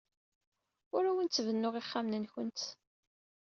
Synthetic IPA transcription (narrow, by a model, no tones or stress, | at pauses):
ʊɾæwənt̪t͡sːvənːʊʁiχːamnənçənt̪